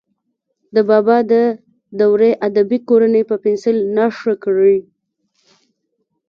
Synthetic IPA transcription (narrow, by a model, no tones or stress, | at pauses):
d̪əbɑbɑd̪ə | d̪awɾeʔad̪abikoɾanəpəpɪnsɪlnɑʂəkɽi